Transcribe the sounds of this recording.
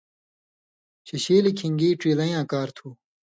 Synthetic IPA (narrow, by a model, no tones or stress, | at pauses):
t͡ɕʰiɕiːlikʰiŋɡiːʈ͡ʂiːlɐjãːkaːɾt̪ʰuː